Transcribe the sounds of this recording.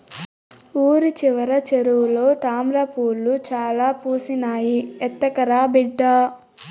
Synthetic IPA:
uːɾit͡ʃiʋɐɾɐt͡ʃeɾuwulo̞ːt̪aːmɾɐpuːlːut͡ʃaːlaːpuːsinaːjiɛt̪ːɐkɐɾaːbiɖːa

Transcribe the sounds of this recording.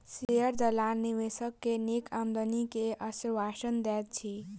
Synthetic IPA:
seəɾd͡ʒəlaniʋesəkːenikamd̪ənikeʔəsiɾwasənd̪ɛt̪̚t͡ʃʰi

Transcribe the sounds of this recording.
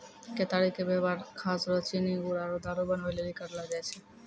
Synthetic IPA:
ket̪aɾikebebaɾkʰasɾɔt͡ɕiniɡuɾaɾod̪aɾobanbeleɾikaɾlad͡ʑajt͡ɕʰe

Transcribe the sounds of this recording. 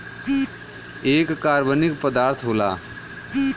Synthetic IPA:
eːkːaːɾbənɪkpəd̪aːɾt̪ʰɦoːlaː

